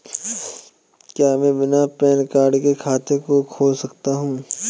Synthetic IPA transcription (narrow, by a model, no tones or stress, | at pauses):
kjaːmɛ̃bɪnapɛːnkaːɾɖkekʰaːt̪ekokʰoːlsɐkt̪aɦũː